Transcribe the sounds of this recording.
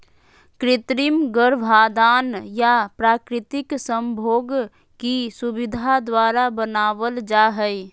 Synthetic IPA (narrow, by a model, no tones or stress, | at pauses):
kɾɪt̪ɾimɡəɾʋʱaːd̪aːnjapɾaːkɾɪt̪ɪksə̃mbʱoːɡ | kisubɪd̪ʱad̪waːɾabənaːʋəld͡ʒaɦəj